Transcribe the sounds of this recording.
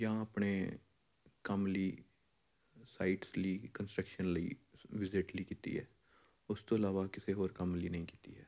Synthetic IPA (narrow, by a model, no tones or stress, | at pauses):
jaãəpneː | kəmliː | saːiʈsliːkənsʈɾəkʃənləḭːʋɪzɪʈliːkiːt̪ḭːɦɛ̰ː | ʊst̪oːɪlaːʋakɪseɦoːɾkəmliːnəɦĩːki̥ːt̪ḭɦɛː